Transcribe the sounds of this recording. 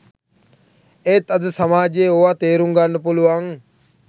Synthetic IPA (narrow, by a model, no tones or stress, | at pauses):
et̪ɐd̪əsɐmaːd͡ʒeːoat̪eːɾuŋɡanːəpuluʋaŋ